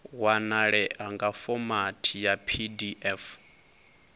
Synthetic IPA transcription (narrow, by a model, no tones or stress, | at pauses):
wanaɺɛʔaŋɡafɔmatʰijapʰidiʔɛf